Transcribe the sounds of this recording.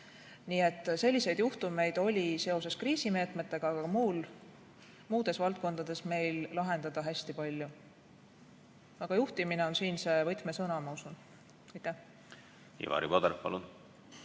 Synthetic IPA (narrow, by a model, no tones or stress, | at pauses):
niːe̞t̪ːˑse̞lʲːise̞jd̪̥juht̪ume̞jd̪̥o̞lʲise̞o̞se̞skriːsime̞ːt̪ˑmet̪ːˑe̞ɡ̥ɑɑɡ̥ɑmuːl | muːd̪̥e̞svɑlt̪̚ko̞nd̪̥ɑd̪̥e̞sme̞jllɑɦe̞nd̪̥ɑd̪̥ɑɦæsʲt̪ipɑlʲju | ɑɡ̥ɑjuht̪imine̞o̞nsiːnse̞vɤt̪ˑme̞sɤnɑmɑusun | ɑjt̪ˑːæh | ḭvɑ̰ːɾḭbod̪eɾpɑ̰lun